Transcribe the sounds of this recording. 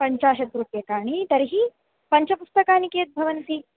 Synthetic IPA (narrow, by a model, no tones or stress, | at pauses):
pɐɲt͡ʃaːʃɐd̪ɾupjɐkaːɳit̪ɐɾiɦi | pɐɲt͡ʃɐpust̪ɐkaːnikeːt̪̚bʱɐʋɐnt̪i